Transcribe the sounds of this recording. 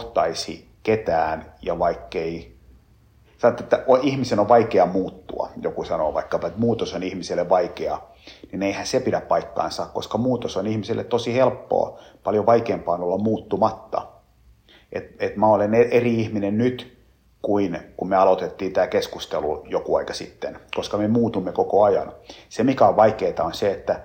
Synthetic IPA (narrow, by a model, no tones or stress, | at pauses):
t̪ɑisi | ket̪æːnjɑʋɑikːei | sɑnot̪ːet̪ːæoihmisenoʋʋɑikeɑmuːt̪ːṵɑ̰jokusɑno̰ːʋɑ̰ikːɑpɑet̪muːt̪osonihmiselːeʋʋɑikeɑ | nineihænsepidæppɑikːɑ̰insɑːkko̰skɑmuːt̪osonihmiselːḛt̪t̪osihelpːo̰ɑ̰pɑljoʋɑikeːmpɑːnolːɑmmuːt̪ːumɑt̪ːɑ̰ | ʔet̪et̪mæoleneeriihminennyt̪ | kuinkummeɑlot̪et̪ːiːnt̪æːkeskust̪elujokuɑikɑsḭt̪ːenkoskɑmemuːt̪umːekokoɑjɑ̰nsemikæoʋʋɑikeːt̪ɑonseet̪ːæ